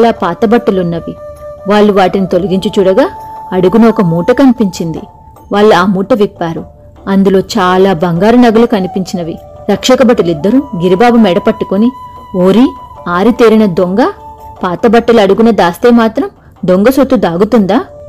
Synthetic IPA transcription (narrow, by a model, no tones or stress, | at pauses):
laːpaːt̪ɐbɐʈːɐlunːɐʋiʋaːɭːuʋaːʈinit̪o̞lɐɡiɲt͡ʃut͡ʃuːɽɐɡaːɐɽuɡunɐɔkɐmuːʈɐkɐnipiɲt͡ʃind̪ḭ | ʋaːɭːuaːmuːʈɐʋipːaːɾu | ɐnd̪ulo̞ːt͡ʃaːlaːbɐŋɡaːɾɐnɐɡɐlukɐnipiɲt͡ʃinɐʋi | ɾɐkʂɐkɐbɐʈːɐlid̪ːɐɾuɡiɾibaːbumɛːɽɐpɐʈːukonioːɾi | aːɾit̪eːɾinɐd̪oŋɡɐpaːt̪ɐbɐʈːɐlɐɽuɡunɐd̪aːst̪eːmaːt̪ɾɐm | d̪oŋɡɐsot̪ːud̪aːɡut̪und̪aː